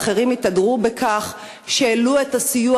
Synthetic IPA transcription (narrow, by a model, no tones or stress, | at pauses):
χe̞ʁimitadʁubekʰaχ | ʃeːlue̞tasiju